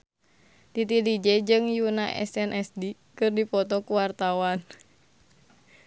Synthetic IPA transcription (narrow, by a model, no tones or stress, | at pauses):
tit̪idid͡ʒɛd͡ʒɨŋjunaʔɛ̰sɛnʔɛsdi | kɨrdipɔt̪ɔkuwart̪awan